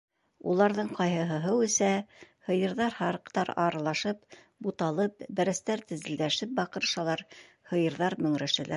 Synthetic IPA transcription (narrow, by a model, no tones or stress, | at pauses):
ulˠɑɾðɤɴqɑjɦɤ̆ɦɤ̆ɦɤwɘ̆sæhɤ̆jɤ̆ɾðɑɾhɑɾɤ̆qt̪ɑɾɑ̰ɾɑlˠɑʃɤp | but̪ɑlˠɤpbæɾæ̆st̪æɾt̪ɘ̆zɘ̆ld̪æʃɘp̚bɑqɤ̆ɾʃɑlˠɑɾ | hɤ̆jɤ̆ɾðɑɾmɵ̆ŋɾæʃɘ̆læɾ